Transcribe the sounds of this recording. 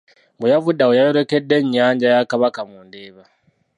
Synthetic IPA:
mbujavudawojajoɾokedːeɲːaːɲd͡ʒajakaβakamuːndeːβa

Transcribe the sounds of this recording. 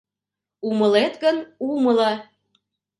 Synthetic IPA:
uməlet̪ɣənuməlɑ

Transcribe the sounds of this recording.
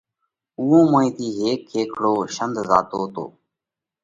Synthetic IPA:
ʊːõːmõːĩːt̪ʰiːɦeːkʰːeːkʰɽoːʃənd̪ʱzaːt̪oːt̪o̰ː

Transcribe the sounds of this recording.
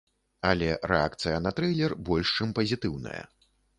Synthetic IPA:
ɐlʲɛɾɛakt̪sɨjɐnɐt̪ɾɛjlʲɛrbɔlʲʂt͡ʂɨmpɐzʲit̪ɨwnɐ̰jɐ̰

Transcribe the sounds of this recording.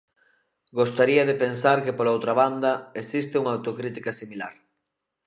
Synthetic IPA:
ɡost̪aɾiɐðepensaɾkepolowt̪ɾɐβ̞and̪ɐesist̪ɪuŋaːwt̪okɾit̪ikɐsimila̰ɾ

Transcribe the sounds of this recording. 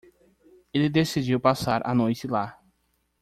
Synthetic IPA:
elɪd̪esid͡ʒiwpasaɾʔa̰nojt͡ʃɪla

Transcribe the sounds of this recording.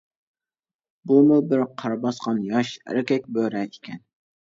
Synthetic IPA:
bumubɪɾqʰɑɾɑbɑsqɑnjɑʃhæ̰ɾɪkʲɛk̚ʲbøɾɛɪkʲʰɛn

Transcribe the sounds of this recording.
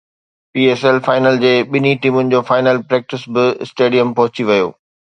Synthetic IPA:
piːeːsɛlfaːɪnəld͡ʑeːɓɪniʈiːmʊnɪ̆d͡ʑoːfaːɪnəlpɾɛːk̚ʈɪsbɪsʈeːɖijəmpɐɦʊt͡ɕiʋɐjo̰ː

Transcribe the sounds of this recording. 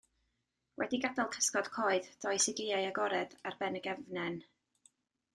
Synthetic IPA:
wʔɛ̰diɡadalˠkʰə̥skɔd̥kʰoːɨðd̥ɔjsɪɡɪajaɡɔɾɛdarbɛnəɡɛvnɛn

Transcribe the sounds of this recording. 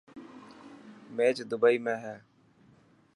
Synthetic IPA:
meːt͡ʃd̪ʊbaːiːmẽːɦɛː

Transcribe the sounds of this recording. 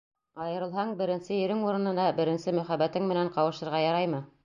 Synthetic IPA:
ɑjɤ̆ɾɤ̆lˠɦɑɴbɘ̆ɾɘ̆nsɘjɵ̆ɾɘŋuɾɤ̆nɤ̆nɑbɘ̆ɾɘ̆nsɘmɵ̆χæbːæt̪ɘŋmɘ̆næɴqɑwɤ̆ʃɤ̆ɾʁɑjɑɾɑjmɤ

